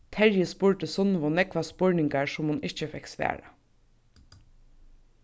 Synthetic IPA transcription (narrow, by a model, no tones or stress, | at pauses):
t̪ʰæɹjəspʊːɹʈəsɔnʋɔnɛkʋɑspɔɹɳɪŋɡɑɹʃʊmhʊnɪçəfɛksʋḛːɹə̰